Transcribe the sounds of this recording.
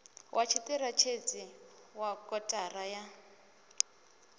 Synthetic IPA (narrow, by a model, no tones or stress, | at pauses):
wʔat͡ʃʰitirat͡ʃʰet͡sʼi | wakʼɔtʼaraja